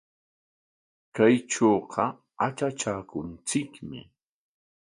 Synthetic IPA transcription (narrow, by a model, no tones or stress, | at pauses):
kajʈ͡ʂoːɢʰɑ | at͡ʃat͡ʃaːkʊnt͡sɪkmɪ̰